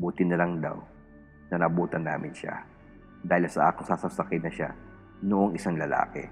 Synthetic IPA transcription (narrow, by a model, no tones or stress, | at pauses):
buːt̪ɪnɐlɐŋd̪a̰w | nɐnɐbuːt̪ɐnːa̰ːmʔɪnʃa̰ | d̪aːhɪlsɐʔa̰ːkɪŋsasɐsɐkɪnɐʃa̰ | noʔoŋɪsaŋlɐla̰ːkɛ̰